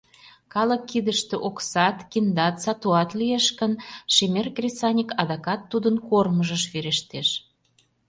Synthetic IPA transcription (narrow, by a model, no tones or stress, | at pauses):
kɑləkːid̪əʃt̪eʔoksɑt̪kind̪ɑt̪sɑt̪uɑt̪lijeʃkənʃemerkrʲesɑnʲikɑd̪ɑkɑt̪ːud̪ənkorməʒəʃβeɾeʃt̪eʃ